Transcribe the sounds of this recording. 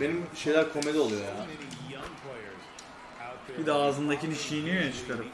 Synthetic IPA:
be̞nimʃe̞jlʲæɾkʰo̞melʲiolˠujojaːnŋpʰle | bid̪ɛaːzɯnd̪acʰiniʃiːnyjjat͡ʃʰɯ̥kʰaɾɯm

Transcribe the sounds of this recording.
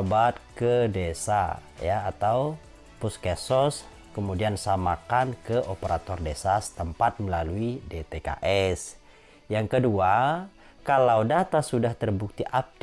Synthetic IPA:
bat̪̚kədesa̰ | jaːt̪aw | puskɛsɔs | kəmudiansamakankəʔopəɾa̰t̪ɔrdesasə̥t̪əmpat̪̚məlaluidet̪eka̰ʔɛs | jaŋkədua | kalawdat̪asudaht̪ərbuk̚t̪iʔap̚d

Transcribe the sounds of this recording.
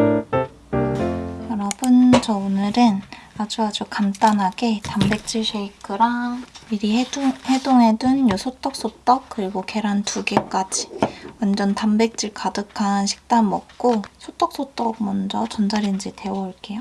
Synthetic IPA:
jʌɾʌbɯnt͡ɕʌonɯɾɯnad͡ʑuad͡ʑukamt͈anɦaɡe̞tambe̞k̚t͡ɕ͈iɭsʰeikʰɯɾaiɾihe̞doŋɦe̞dɯnjusʰot͈ʌk̚s͈ot͈ʌk̚k͈ɯɾiɡoke̞ɾantʰuɡe̞k͈ad͡ʑiwʌnd͡ʑʌntambe̞k̚t͡ɕ͈iɭkadɯkʰanɕʰi̥k̚t͈anmʌk̚k͈osʰot͈ʌk̚s͈ot͈ʌk̚mʌnd͡ʑʌt͡ɕʌnd͡ʑaɾind͡ʑite̞wʌiɭk͈e̞jo

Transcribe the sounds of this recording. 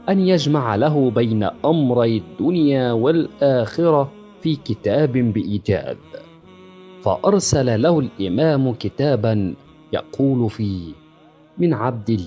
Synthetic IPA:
ʔanjad͡ʒmaʕalaɦʊbajna̰ʔamɾˤɑjd̪ːʊnjaːwalʔaːxɪɾɑ | fiːkɪt̪aːbɪbɪʔiːd͡ʒa̰ːd̪̚ | fa̰ʔɑɾˤsalalahʊlʔɪmaːmʊkɪt̪aːban | jɑ̰qʰuːlʊfiːh | mɪnʕab̚d̪ɪlː

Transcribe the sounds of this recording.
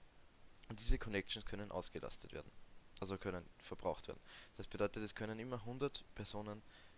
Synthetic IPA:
ʔʊnt̚d̥iːzəkʰɔnɛk̚t͡ʃn̩skʰœnənʔa̰ʊsɡ̥əlʔa̰stətv̥ḛːɐdn̩ʔalzokʰœnənfɛɐb̥ʁaʊxtv̥eːɐdn̩sɛst̚b̥dɔʏtətɛskʰœnənɪmɐɦʊndɐtpʰɛɐzoːnən

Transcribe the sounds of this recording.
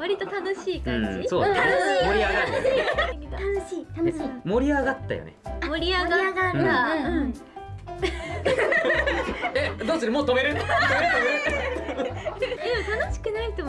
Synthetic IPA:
βaɾʲit̪ot̪anoɕiːkãd͡ʑisoːd̪imoɾʲiaɡaiekʲit̪aiaeimo̞ɾʲiaɡat̪ːa̰jo̰nḛmoɾʲiaɡaaɡaaɯ̟̃ | ed̪oːsɨɾɯmoːt̪o̞me̞ɾɯ̟t̪omeɾɯomeɾɯ | et̪anoɕi̥kɯ̟nait̪om

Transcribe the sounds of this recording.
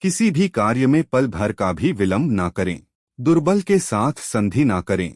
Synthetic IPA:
kɪsibʱikaːɾjəmẽpɐlbʱɐɾkabʱiʋɪlə̃mbʱnakɐɾḛ̃ː | d̪ʊɾbəlkesaːt̪ʰsɐ̃nd̪ʱinakɐɾḛ̃ː

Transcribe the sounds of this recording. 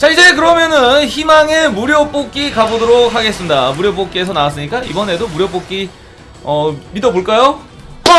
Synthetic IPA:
t͡ɕaid͡ʑe̞kɯɾʌmjʌnɯnçimaŋe̞muɾjop͈ok͈ikabodoɾok̚ʰhaɡe̞s͈ɯmɲidamuɾjop̬͈ok͈iesʰʌnawas͈ɯɲik͈aḭbʌne̞domuɾjop͈ok͈i | ʌmidʌboɭk͈ajo

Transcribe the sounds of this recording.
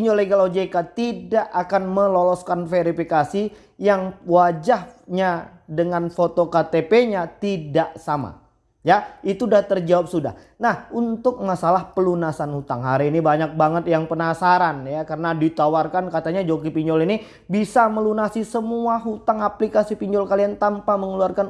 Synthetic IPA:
piɲd͡ʒoleɡalod͡ʒekat̪idaʔakanməlolɔskanfeɾifikasi | jaŋwad͡ʒahɲa | dəŋanfot̪okat̪epeɲat̪idaʔsama̰ | jait̪udaht̪ərd͡ʒawap̚suda̰h | nahunt̪ʊk̚masalahpəlunasanhut̪aŋɦaɾiːnibaɲak̚baŋət̪̚jaŋpənasaɾanjakəɾənadit̪awarkankat̪aɲad͡ʒoɡipiɲd͡ʒɔlini | bisaməlunasisəmuaɦut̪aŋaplikasipiɲd͡ʒɔlkaliant̪ampaməŋəluarkan

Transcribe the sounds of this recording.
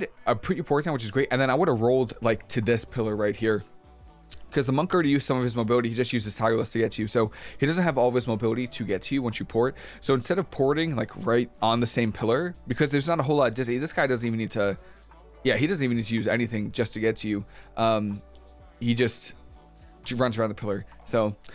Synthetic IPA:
ɾʔəpʰɹ̥ɪɾipʰɔɹt̚θæ̃mwɨt͡ʃɨzɡɹeɪtʔɨ̃nðɨ̃naɪwʊɾəvɹoʊlˠdlaɪktʰɨðɪspʰɪlˠə˞ɹaɪt̚hiɹ | kʰʌzðəmʌ̃ŋkə˞ɛɾijʉz̥sʌ̃mʌv̥ɨzmoʊbɪlˠəɾihid͡ʒʌst̚jʉzɨz̥tʰaɪlˠəstʰɨɡɛtʰɨjʉsoʊhiɾʌzɨ̃nt̚ɦɨvɔlˠʌv̥ɨzmoʊbɪlˠəɾiɾɨɡɛtʰɨjʉwʌ̃nsjɨpʰɔɹt̚ | soʊɨ̃nstɛɾʌv̥pʰɔɹɾɪ̃ŋlaɪkʰɹaɪtə̃n̩ðɨsẽɪ̃mpʰɪlˠə˞b̥ɨkʰʌzðɨ˞znəɾəɦoʊlˠɑd̥ɨsðɪsɡ̥aɪdʌzn̩tivnid̚tʰɨ | jæɦidʌzn̩ivnid̚tʰɨjʉzɛ̰niθɪ̃ŋd͡ʒʌstʰɨɡɛtʰɨjʉʔʌ̃m | hid͡ʒʌst | ɹʌ̃nzɹãʊ̃nðəpʰɪlˠə˞ | soʊ

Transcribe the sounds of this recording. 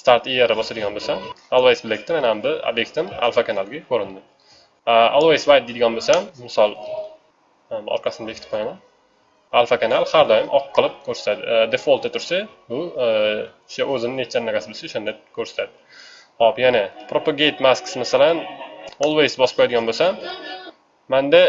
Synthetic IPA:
st̪aɾt̪ijaɾabɒsad̪ɪɡʲɒnbosamalˠwajsbɪlek̚ʲt̪ɪmanaambɪo̰bjek̚t̪ʰɪma̰lˠfakanalˠɡʲakʰɵɾɪnd̪ɪ | aolˠwejsvajd̪̚d̪ed̪ɪɡʲɒnbosamːmɪsɒlˠ | mɒ̰ɾqʰɑsɪnd̪ekʰʲɪt̪ɪ̥p̚qʰlˠaman | alˠfakʲʰanalˠhaɾd̪ɒjɪmʔɒqʰːɨlˠɪp̚kʰɵɾsḁt̪ad̪ɪd̪efolˠt̪at̪ʰʊɾsabʊ | ʊ̥ʃaʔɵzɪnɪnet͡ʃʰːanːaɡʲasɪbosaʊʃand̪akʰɵɾsḁt̪ʰad̪ɪ | ɒpjanɪpʰɾopaɡʲejt̪masksmasalanolˠwejzbɒsp̚qʰɔjd̪ɪɡʲɒnbosamː | and̪a

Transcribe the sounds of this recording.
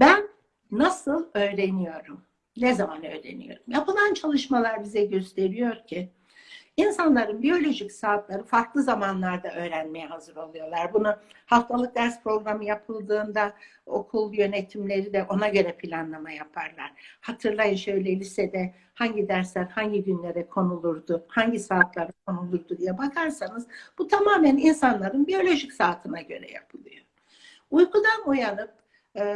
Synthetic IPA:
bænː | asɯlˠø̞jɾe̞nijo̞ɾum | nɛzamanø̞̰jɾḛnḭjo̞̰ɾumjapɯlˠant͡ʃʰalˠɯʃmalˠaɾbizɛɟø̞st̪ʰe̞ɾijo̞ɾcʰɪ | insanlˠaɾɯmbijo̞lʲo̞ʒicsaːt̪lˠaɾɯfaɾklˠɯzamanlˠaɾd̪aʔø̞ːɾænmejɛhazɯɾo̞lˠujo̞lˠaɾbunuhaft̪ʰalˠɯk̚d̪æɾspɾo̞ɡɾamɯjapʰɯlˠd̪ɯːnd̪ao̞̰kʰulˠjø̞net̪ʰimlʲe̞ɾid̪ɛʔo̞naɟø̞ɾɛpʰilʲanlˠamajapʰaɾlˠa̰ɾ̥hat̪ʰɯɾlˠajɯnʃø̞jlʲelʲisɛd̪ɛ | haɲɟid̪æɾslʲæɾhaɲɟiɟynlʲe̞ɾɛkʰo̞nulˠuɾd̪ʊhaɲɟisaːt̪lˠaɾakʰo̞nulˠuɾd̪ud̪ijɛbakʰaɾsanɯzb̥ut̪ʰamaːmæninsanlˠaɾɯnbio̞lʲo̞ʒicsaːt̪ʰɯnaɟø̞̰ɾɛ̰ja̰pʰɯlˠɯjo̞ | ujkud̪anujanɯp̚

